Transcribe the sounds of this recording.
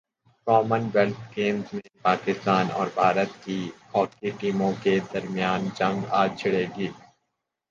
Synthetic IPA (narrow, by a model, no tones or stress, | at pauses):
kɔːmənwelt̪ʰkeːmzmẽpaːkɪst̪aːnɔ̰ːɾbʱaːɾət̪̚kihɔːkiʈiːmõked̪ɐɾmijaːnd͡ʒɐ̃ŋɡaːt͡ʃʰɪɽeːɡiː